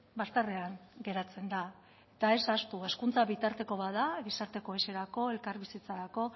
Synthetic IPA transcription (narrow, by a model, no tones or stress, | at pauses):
bast̪areaŋɡe̞ɾat͡se̞nd̪a | et̪ae̞sast̪ue̞skunt͡saβit̪aɾt̪e̞ko̞βaðaɣisaɾt̪e̞ko̞e̞se̞ɾako̞e̞lkaɾβisit͡saɾako̞